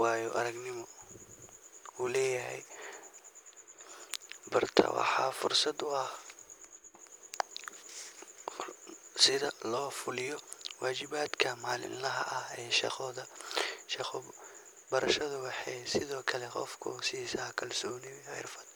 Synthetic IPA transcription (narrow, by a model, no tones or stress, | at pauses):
wɑːjɔʔɐɾɐɡnɪmɔ | uːlɛːjɐɦɛ̰j | bɐrt̪ʰɐ̰wɑ̰ħɑːfʊrsɐd̪ʊɐh | sɪðɐlɔːfʊlɪjɔwaːt͡ʃɪβaːd̪kʰɐmaːlɪ̰nlɐɦɐ̰ʔɐhɛːʃɛ̰ɔðɐʃɛxɔ | bɐɾɐʃɐðʊwɑħɛjsɪðɔːkʰɐlɛqɔ̰fkʰʊsisɐkʰɐlsɔːnɪjħɛ̰rfɐ̥d̪